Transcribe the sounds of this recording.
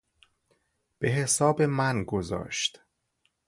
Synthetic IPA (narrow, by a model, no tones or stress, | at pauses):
b̥e̞ɦe̞sɒːbe̞mænɡozɒ̰ːʃt̪